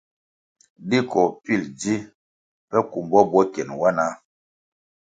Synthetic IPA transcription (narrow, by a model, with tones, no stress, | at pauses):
di˦kɔ˨pi˦˨ld͡zi˦ | pɛ˦ku˨mbɔ˦bɔ˦kɛ˨nwa˦na˦